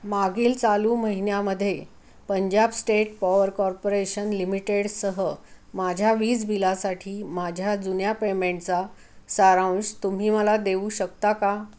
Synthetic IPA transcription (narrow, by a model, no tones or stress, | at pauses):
maɡiːlt͡saluːməɦinjaməd̪ʱːje | pəɲd͡ʑabsʈeʈ̚pɔʋəɾkɔɾpoɾeɕənlimiʈeɽsəɦəmad͡ʑʱjaʋiːd͡zbʱilasaʈʰiːmad͡ʑʱjad͡zunjapemeɳʈt͡sa | səɾawnd͡zt̪um̤iːməlad̪euːɕək̚t̪aka